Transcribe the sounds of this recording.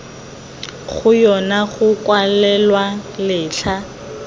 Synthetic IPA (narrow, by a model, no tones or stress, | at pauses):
χʊjɔnaχʊkwalɛlwalɪːɬʰa